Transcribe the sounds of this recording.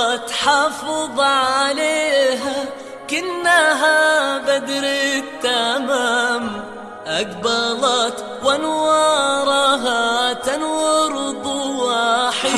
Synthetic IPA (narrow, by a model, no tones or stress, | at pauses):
t̪ħɑːfɨðˤʕaleːɦa | kɪnːaɦabad̪ɾit̪ːamaːm | ʔaɡbɑlɑt̪ | wanwɑːɾˤɑɦat̪anwɑɾˤbuwaħɪ